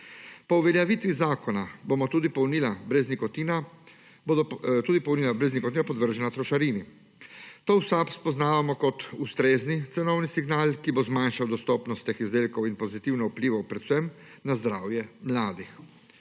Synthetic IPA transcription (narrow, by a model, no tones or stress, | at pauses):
pɔuʋɛljaʋit̪ʋizaːkɔnabomɔt̪uːd̪ipɔwniːlabɾɛznikɔt̪iːna | t̪uːd̪ipɔwnilabɾɛznikɔt̪iːnapɔd̪ʋəɾʒɛnat̪ɾɔʃaɾiːni | t̪oːwsapspɔznaːʋamɔkɔt̪ust̪ɾeːznit̪sɛnɔwnisiɡnaːlkibozmanʃawd̪ɔst̪ɔːpnɔst̪ːexizd̪eːlkɔwinpɔzit̪iwnɔupliːʋɐwpɾɛwsəm | nazd̪ɾaːwjɛmlaːd̪ix